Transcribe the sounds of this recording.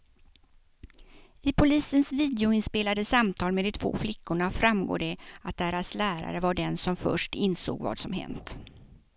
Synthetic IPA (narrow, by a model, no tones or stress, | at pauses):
ɪpʰʊliːsənsviːd̪ɛʊɪnspeːlad̪əsamt̪ʰɑːlmeːd̪ɪt̪ʰv̥o̰ːflɪkːʊɳafɾamɡo̰ːɖɛat̪̚d̪æɾaslæːɾa̰ɾəvaɖɛnsɔmfœ̰ʂʈɪnso̰ːɡva̰ːd̪sɔmɦɛ̰nt̪